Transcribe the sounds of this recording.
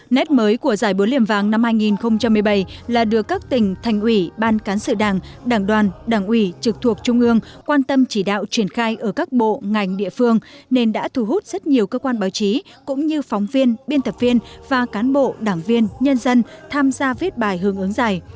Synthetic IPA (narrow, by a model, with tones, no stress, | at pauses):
nɛ˦˥t̚məː˨˦jku˧˩əzaː˧˩jɓu˨˦lḭ˧˩əmvaː˨˩ŋna˧mhaː˧jŋi˨˩nxə˧wŋ͡mt͡ɕa˧mːɨ˨˩əjɓa˧˩jlaː˨˩ɗɨ˨˩əkːaː˦˥k̚t̪ï˨˩ŋ̟t̪ʰa˨˩jŋ̟ʔwi˧˩ɓaː˧nkaː˨˦nsɨ̰˧˨ɗaː˨˩ŋɗaː˧˩ŋɗwaː˨˩nɗaː˧˩ŋʔwi˧˩t͡ɕɨ˨˩k̚t̪ʰu˨˩ək̚t͡ɕʊ˧ŋ͡mʔɨ˧əŋkwaː˧nt̪ə˧mt͡ɕi˧˩ɗa̰ː˧˨wt͡ɕwi˧˩ənxaː˧jʔəː˧˩kaː˦˥k̚ɓo̰˧˨ŋa˨˩jŋ̟ɗḭ˧˨əfɨ˧əŋne˧nɗa̰ː˧˥t̪ʰu˨˧˩ɦu˦˥t̚z̥ə˦˥t̚ɲi˨˩əwkəː˧kwaː˧nɓaː˨˦wt͡ɕi˨˦kʊ̰˧˥ŋ͡mɲɨ˧fwŋ͡mvi˧ənɓi˧ənt̪ə˨˩p̚vi˧ənvaː˨˩kaː˨˦nɓo̰˧˨ɗaː˧˩ŋvi˧ənɲə˧nzə˧nt̪ʰaː˧mzaː˧vi˦˥t̚ɓaː˨˩jɦɨ˨˦əŋʔɨ˨˦ŋzaː˨˩j